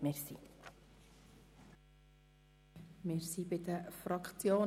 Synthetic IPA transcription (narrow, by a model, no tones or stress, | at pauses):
mɪɾsi | mɪːɾsibɪd̪əfɾɑkχt͡sjoː